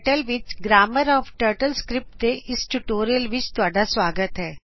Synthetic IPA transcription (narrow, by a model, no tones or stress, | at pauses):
ʈəlʋɪt͡ʃɡɾaːməɾɔːfʈəːɾʈəlskɾɪp̚ʈt̪eʔɪsʈuʈoːɾijəlʋɪt͡ʃt̪ʊaːɖasʋaːɡət̪ɦɛː